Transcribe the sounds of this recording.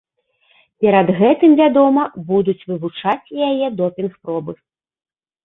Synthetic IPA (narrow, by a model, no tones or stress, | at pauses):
pʲɛɾɐd̪ɣɛt̪ɨmvʲad̪ɔmɐbud̪ut͡sʲvɨvut͡ʂat͡sʲjajɛd̪ɔpʲinxpɾɔbɨ